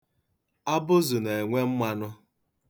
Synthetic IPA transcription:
a˦bʊ˦zʊ˨ne˨e˨ŋʷe˦m̩˦mʷa˦nʊ˦

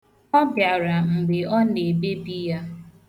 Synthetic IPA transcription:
ɔ˦bja˨ɾa˨ŋ͡m̩˨ɡ͡bɪ˨ɔ˦ne˨be˦bi˦ja˦

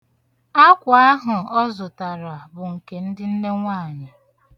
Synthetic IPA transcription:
a˦kʷa˨a˦ɦʊ˨ɔ˦zʊ˨ta˨ɾa˨bʊ˨ŋ̩˨ke˨n̩˦dɪ˦n̩˦ne˦ŋʷa˦˨ɲa˨

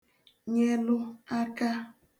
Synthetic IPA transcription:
ɲe˦lʊ˦a˦ka˦

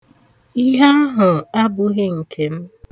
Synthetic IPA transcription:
i˦ɦa˦a˦ɦʊ˨a˦bʊ˦ɣɪ˦ŋ̩˨kʰe˨m̩˦

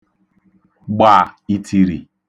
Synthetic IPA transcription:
ɡ͡ba˦˨i˦tʰi˨ɾḭ˨

